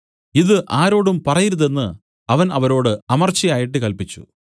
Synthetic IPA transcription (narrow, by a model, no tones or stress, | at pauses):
iðɨʔaːɾo̞ːɽumpɐrɐjiɾuðe̞nːɨ | ɐʋɐnɐʋɐɾo̞ːɽɨɐmɐrt͡ɕːijaːjiʈːɨkɐlpit͡ɕːṵ